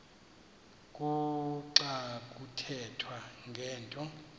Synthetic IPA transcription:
kʼuǀakʼutʰɛtʰwaŋɡʱɛːntʼɔ

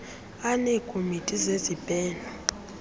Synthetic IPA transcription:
anɛːkʰʼomitʼizezib̥ʼɛːnɔ

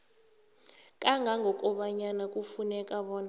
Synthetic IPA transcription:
kʼaŋɡʱaŋɡʱɔkʼɔɓaɲanakʼufunɛkʼaɓɔːna

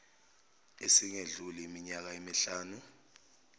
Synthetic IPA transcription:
esiŋeɮuliːmiɲak̬aemiɬaːnu

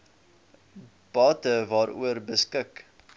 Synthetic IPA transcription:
b̥ɑːtəvɑːɾʔṵərbəskək

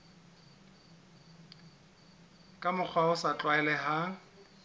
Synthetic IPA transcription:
kʼamʊk͡xʰwaʊsat͡ɬʼwaɛlɛɦa

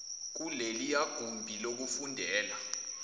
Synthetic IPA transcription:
k̬ulelijaɡ̥ʱumbʱilok̬ufundʱɛːla

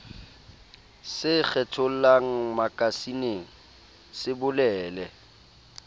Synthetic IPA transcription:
sɪk͡xʰɛtʰʊl̩laŋ̩makʼasineŋ̩ | sɪbʊlɛːlɛ

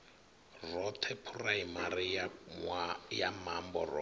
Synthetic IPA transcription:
rɔt̪ʰɛpʰuraɦimaɾi | jamambɔrɔ

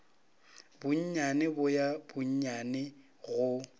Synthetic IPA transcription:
bʊɲ̩ɲanɪbʊjab̥ʊɲ̩ɲanɪ | ɣʊ

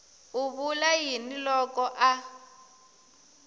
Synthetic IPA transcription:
uβulajinilɔkɔʔa

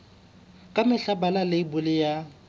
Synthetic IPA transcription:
kʼamɪɬabalaleibʊlɪja

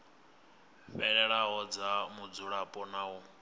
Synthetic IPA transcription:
ɸɛɺɛɺaɦɔd͡zamud͡zuɺapʼɔnau

